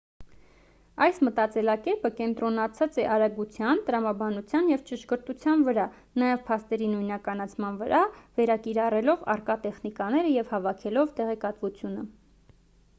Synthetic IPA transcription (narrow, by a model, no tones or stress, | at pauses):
ɑjsmət̪ɑt͡sɛlɑkɛpəkɛnt̪ɾɔnɑt͡sʰɑt͡sɛʔɑɾɑɡut͡sʰjɑnt̪əɾɑmɑbɑnut͡sʰjɑnjɛvt͡ʃəʃkəɾt̪ut͡sʰjɑnvəɾɑ | nɑjɛvpʰɑst̪ɛɾinujnɑkɑnɑt͡sʰmɑnvəɾʔɑvɛɾɑkiɾɑrɛlɔvɑ̰rkɑt̪ɛχnikɑnɛɾəjɛvhɑvɑkʰɛlɔvt̪ɛʁɛkɑt̪vut͡sʰjunə